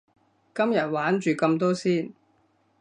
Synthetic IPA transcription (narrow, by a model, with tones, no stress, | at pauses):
kɐ˥mjɐ˨t̚waː˨˥nt͡ʃyː˨kɐ˧mt̪ɔː˥siː˥˩n